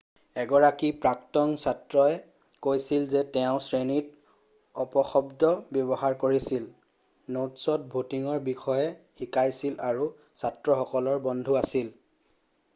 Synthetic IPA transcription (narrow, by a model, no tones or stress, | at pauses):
ɛɡɔɹakipɹaktɔŋsatɹɔɛ | kojsilzɛtɛʊ̃sɹenit | ɔpɔxɔbdɔbjɔbɔɦaɹkoɹisil | notsɔt̚bʱutiŋɔɹbixɔjɛxikajsilaɹu | satɹɔxɔkɔlɔɹbɔndʱuasil